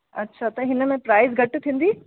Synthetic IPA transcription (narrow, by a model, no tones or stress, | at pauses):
ɐtːʃʰat̪ɐɦɪnə̆mẽpɾaːɪzɡʱɐʈt̪ʰĩːn̆d̪iː